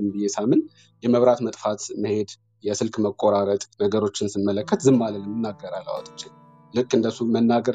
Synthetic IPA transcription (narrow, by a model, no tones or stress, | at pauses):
ɨmbɨjesamɨn | jɛməβɾat̪mət̪ʼfat̪məhe̞d̪ | jɛsɨlkməkʼo̞ɾaɾət̪ʼnəɡəɾo̞t͡ʃːɪnsɨnmːələkʰːət̪zɨmːaləlɨmɨnːaɡːəɾalːa̰wo̰t̪ʼɨ̥t͡ʃʼːɪ | lɨkʼːɨnd̪əsumənːaɡəɾ